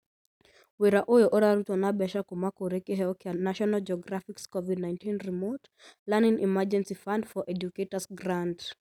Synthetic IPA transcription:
wiɾaʔɔjɔʔɔɾaɾutwanabɛʃakɔmakɔɾɛkiɦɛɔkianaʃɔnald͡ʒɔɡɾafikskɔvidnãɪ̃ntĩnɹimɔt | lanĩŋʔḭmad͡ʒɛ̃nsifãndfɔʔɛd͡ʒuketəsɡɾand

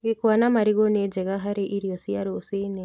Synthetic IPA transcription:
ɣikwanamaɾiɣoned͡ʒɛɣaɦaɾiʔiɾijɔsiaɾosini

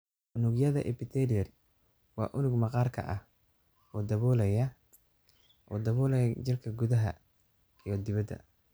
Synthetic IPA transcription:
ʔʊnʊɡjɐðɐ̰ʔɛ̰pɪt̪ʰɛlɪjɛr | wɑ̰ːʔʊnʊɡmɐqɑːrkʰɐ̰ʔɐh | ɔːd̪ɐβɔːlɛjɐ | ʔɔːd̪ɐβɔːlɛjɐd͡ʒɪrkʰɐɡʊðɐɦɐ̰ | ijɔd̪ɪβɐd̪ːɐ̰

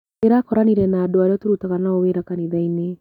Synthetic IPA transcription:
eɾakɔɾaniɾɛnaːdoaɾeɔtoɾutaɣanaoweɾakaniðaine

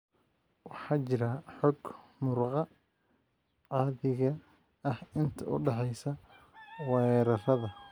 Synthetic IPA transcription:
wɑħɑːt͡ʃɪɾɐħɔɡmʊɾqɑ | ʕɑːðɪɣɐ | ɐhɪnt̪ʰɐʔʊ̰ɖɑħɛjsɐ | wɛːɾɐrɐðɐ

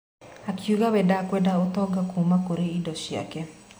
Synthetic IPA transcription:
akjuɣaβɛdakwɛdaotɔɡakuːmakoɾeidɔʃia̰kɛ

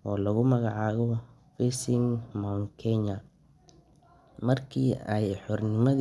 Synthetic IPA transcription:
ʔɔːlɐɣʊmɐɣɑʕɑːɣɔ | fɛsɪŋmɔŋkʰɛɲɐ | mɐrkʰiːɛjħɔrnɪmɐð

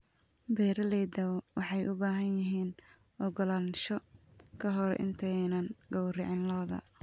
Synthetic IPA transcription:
bɛːɾɐlɛjd̪ɐwɔwɑħɑjʔʊbaːɦɐnjɪɦiːnʔɔɡɔlaːnʃɔkʰɐɦɔɾɛ̰ʔɪ̰nt̪ʰɛnɐnɡɔwrɪʕɪnlɔːðɐ̰

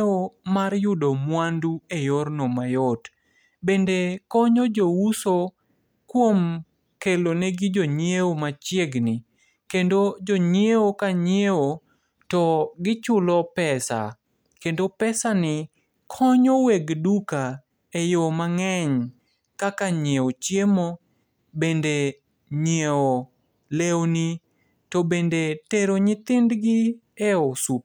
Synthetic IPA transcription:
omaɾjʊdomwanduejoɾnɔmajɔt | bendekɔɲɔd͡ʒowuso | kwom | keloneɡɪd͡ʒoɲewomat͡ʃjeɡnɪ | kendod͡ʒoɲjeokaɲjeo | tɔɡɪt͡ʃʊlɔpɛsa̰ | kendopɛsanɪ | kʰɔɲɔweɡduka | ejomaŋɛɲ | kakaɲeot͡ʃjemo | bende | ɲeo | lewni | tɔbendeteɾoɲɪt̪ɪndɡɪeosup̚

